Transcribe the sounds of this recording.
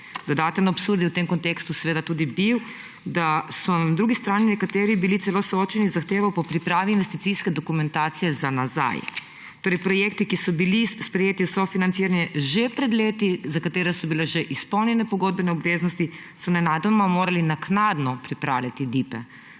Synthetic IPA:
d̪̥ɔd̪aːt̪ɛnɔːpsuɾd̪jiwt̪emkɔnt̪ekst̪usɛʋeːd̪at̪uːd̪ibiw | d̪asɔnad̪ɾuːɡist̪ɾaːninɛkat̪eːɾibilit̪sɛlosooːt͡ʃɛnizaxt̪eːʋawpɔpɾipɾaːʋiːnʋest̪it̪siskɛd̪okumɛ̃nt̪aːt̪sijɛzanaza̰j | t̪oːɾejpɾɔjeːkt̪ikisɔbilispɾɛjeːt̪iusɔfinant̪siːɾanjɛʒɛpɾɛd̪leːt̪izakat̪eːɾɛsɔbilɛʒɛʔispɔwnjɛnɛpɔɡod̪̚bɛnɛɔbʋeːznɔst̪i | sɔnɛnaːd̪amamoːɾalinaknaːd̪nɔpɾipɾa̰ːwlʲjat̪id̪ipɛ

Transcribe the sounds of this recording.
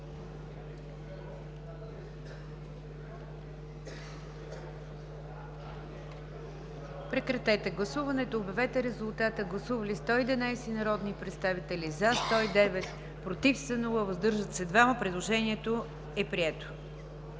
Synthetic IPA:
pɾɛkɾɐt̪ɛt̪ɛɡlˠɐsuvɐnɛt̪oːbʲɛvɛt̪ɛɾɛzʊlˠt̪at̪əɡlˠɐsuvɐlist̪ɔid̪inajsɛnɐɾɔd̪nipɾɛt̪st̪avit̪ɛlizast̪ɔid̪ɛvɛt̪ | pɾot̪ifsənolˠɐvəzd̪ɤɾʒət̪sɛd̪vaməpɾɛd̪lˠoʒɛniɛt̪o | ɛpɾiɛt̪o̥

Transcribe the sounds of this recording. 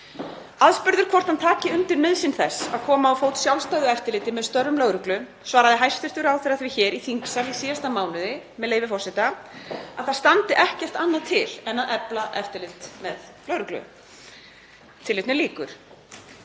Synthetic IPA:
aðspʏɾðʏɾ̥kʰɔrt̪hant̪ʰaːcɪʏnt̪ɪɾmɪðsɪnθɛsːa̰ðkʰɔːmaawfoːwt̪sjawlst̪aːɣðʏɛft̪ɪɾlɪːt̪ɪmɛðst̪œrːʏmlœɥwɾʏklʏ | svaːɾaðɪɦajst̪ʏr̥t̪ʏɾawθɪɾaθvɪçɛːɾiθiŋksaɾlisiːast̪amaːwnʏðɪmɛðleːjvɪfɔrsɪt̪aa̰ðθaðst̪ant̪ɪʔɛhcɛr̥t̪anːaðt̪ʰɪlɛnaðɛplaʔɛ̰ft̪ɪɾlɪt̪mɛðlœwɾʏklʏ̰ | t̪ʰɪlːɪt̪nɪliːkʏ̰ɾ̥

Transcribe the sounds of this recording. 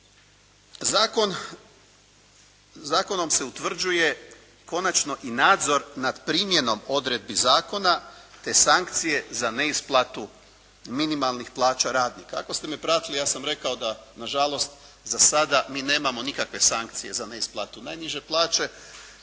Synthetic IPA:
kon | zaːko̞no̞mse̞ut̪ʋr̩d͡ʒuje̞ | ko̞nat͡ʃno̞ʔinaːd̪zo̞ɾnad̪pɾimje̞no̞mo̞d̪ɾe̞d̪̚bizaːko̞nat̪e̞saŋkt̪sije̞zane̞isplˠat̪u | minimalˠnixplˠaːt͡ʃaɾaːd̪niːkaakost̪e̞mepɾat̪ilijaːsamɾe̞kao̞d̪anaʒalˠo̞st̪ | zasad̪amiːne̞ːmamo̞nikakʋe̞saŋkt̪sije̞zane̞isplˠat̪unajniʒe̞plˠaːt͡ʃe̞

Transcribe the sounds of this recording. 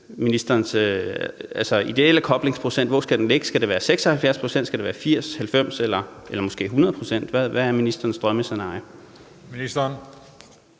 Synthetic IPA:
minisd̥ɐːnsøælsɒid̥e̝lækʰɒ̽b̥le̝ŋspʰʁo̝sen̰d̥ʋɒsɡ̥æd̥enle̝ɡ̥əsɡ̥æd̥eʋæːɐseɡ̥sɒ̽hælfjæɐspʰʁo̝sen̰d̥sɡ̥æd̥eʋæːɐfiɐ̰shælfem̰selɐelɐmɒ̽sɡ̥e̝̰ːɦunɐð̞ˠpʰʁo̝sen̰d̥ʋæʋæːɐminisd̥ɐːn̩sd̥ʁɶməsenɑ̈jo | minisd̥ɐn

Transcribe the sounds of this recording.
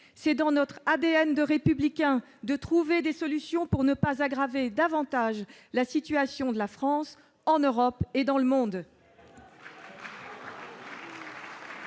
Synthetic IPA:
sɛd̪ɑ̃nɔt̪χad̪eɛnd̪əʁepyblikʲɛ̃ | d̪ət̪χuved̪esɔlysjɔ̃puʁnəpazaɡʁaved̪avɑ̃t̪aʒlasit̪yasjɔ̃d̪əlafχɑ̃s | ɑ̃nøʁɔped̪ɑ̃ləmɔ̃d̪

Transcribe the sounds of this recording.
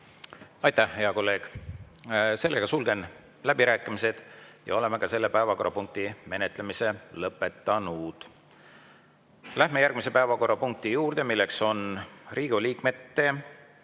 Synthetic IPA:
ɑjt̪æhhe̞ɑko̞lːe̞ːɡ̥ | se̞lːeɡ̥ɑsulɡ̥e̞n | læb̥iɾæːkːˑimise̞d̪̥jɑ̰o̞le̞me̞kɑse̞lːe̞pæevɑko̞rːɑpuŋk̚t̪ime̞net̪ˑle̞mise̞lɤpːˑe̞t̪ːɑnud̪̥ | læhme̞jærɡ̥mise̞pæevɑko̞rːɑpuŋk̚t̪ijuːrd̪̥e̞milːe̞kso̞nriːɡ̥uliːkme̞t̪ːe̞

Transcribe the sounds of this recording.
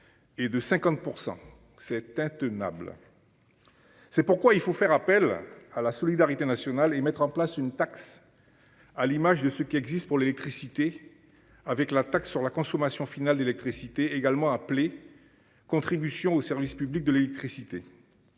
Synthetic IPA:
ed̪əsɛ̃kɑ̃t̪̚puʁsɑ̰̃ | sɛt̪ɛ̃t̪əna̰bl | sɛpuʁkwailfofɛʁapɛlalasɔlid̪aʁit̪enasjɔnalemɛt̪χɑ̃plasynt̪aks | alimaʒd̪əsəkʲiɛɡzist̪̚puʁlelɛk̚t̪χisit̪e | avɛklat̪aksːyʁlakɔ̃sɔmasjɔ̃finald̪elɛk̚t̪χisit̪eeɡalmɑ̃aple | kɔ̃t̪χibysjɔ̃osɛʁvispyblik̚d̪əlelɛk̚t̪χisit̪e

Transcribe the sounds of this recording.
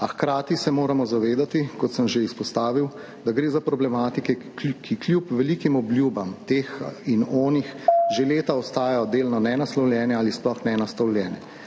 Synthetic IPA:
axkɾaːt̪isɛmoːɾamɔzaʋeːd̪at̪ikɔt̪səmʒeispɔst̪aːʋiw | d̪aɡɾeːzapɾɔblɛmaːt̪ikɛ | kʰikljuːpʋɛliːkimɔblʲjuːbamt̪eːxinɔːnixʒeleːt̪aɔst̪aːjajɔd̪eːlnɔnɛnaslɔwljɛnɛalisplɔxnɛnast̪ɐwljɛːnɛ

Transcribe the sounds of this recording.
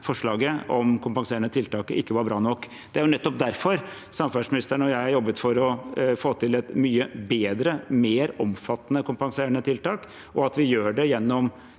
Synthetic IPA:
fɔʂɭɑːɡəʔɔ̰mkʰʊmpɑŋseːɾəɳət̪ʰɪlt̪ɑːkəɪkːəʋɑɾbɾɑːnɔkː | dd̪ɛæɾjʊnɛt̪ːɔp̚d̪æɾfɔɾ | sɑmfæʂmɪnɪst̪əɳɔjæɪæɾjɔbːət̪fɔɾɔfoːt̪ʰɪlɛt̪myːəbeːd̪ɾəmeːɾɔmfɑt̪ːnəkʊmpɑŋseːɾəɳət̪ʰɪlt̪ɑːk | ʔɔɑt̪ʋɪjøːɖɛjɛnːɔm

